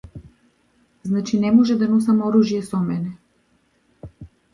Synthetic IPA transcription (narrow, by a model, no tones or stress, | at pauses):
znat͡ʃinɛmɔʒɛd̪anɔsamɔɾuʒijɛsɔmɛnɛ